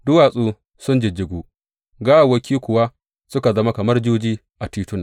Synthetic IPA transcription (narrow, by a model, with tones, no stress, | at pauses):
dʊ˦waː˨sʼuː˦ | sʊ˦nd͡ʒɪ˨d͡ʒɪ˨ɡʷuː˦ | ɡa˦ʔa˨wɐ˦kʲʰiː˦kʷʊ˨wa˦ | sʊ˦ka˨zɐ˦ma˦kɐ˨mɐ˦rd͡ʒuː˦d͡ʒiː˦ | ʔa˨tiː˨tʊ˦n